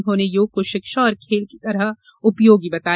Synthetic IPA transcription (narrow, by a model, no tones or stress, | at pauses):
nɦõːnejoːɡ̚koʃɪkʃaɔːɾkʰeːlki̥t̪ɐɾəɦ | ʊpjoːɡibɐt̪aː